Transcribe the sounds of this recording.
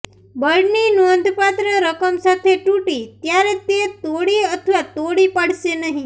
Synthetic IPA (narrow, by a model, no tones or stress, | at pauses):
bəɽninuond̪ʱpat̪ɾəɾəkəmsat̪ʰeʈuʈit̪jaɾet̪et̪oɽiət̪ʰəʋat̪oɽipəɽ̤ʃenəɦĩ